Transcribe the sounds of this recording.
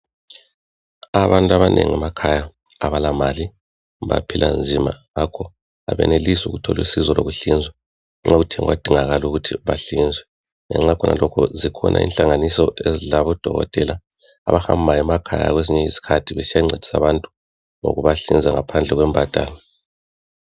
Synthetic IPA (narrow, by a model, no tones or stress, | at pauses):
aβantʼuaβanʔeŋiamakʰaja | aβalamali | βa̰pʰilʔand͡zʱimaŋakʰɔ | a̰βɛ̰nelisuɣutʰɔlwḭsizɔloɣuɬind͡zʱwɛ | ŋ͡ǁautʰɛŋwad̥ʱiŋaɣaluɣutʰiβaɬind͡zʱwɛ | ŋɛ̰ŋ͡ǁakʰɔnʔa̰lɔkʰɔzikʰɔnʔa̰ḭnɬaŋanisɔʔezilaβɔd̥ʱɔɣɔ̰tʼɛla̰ː | βaxa̰mbʱajɛmakʰaja̰ɣweziɲɛisi̥kʰatʰiβesijaiŋ͡ǀʱed̥ʱi̥sa̰βantʼu̥ | ŋo̰ɣuβaɬind͡zʱaŋapʰand͡ɮʱɛɣwɛmbʱad̥ʼʱaːlɔ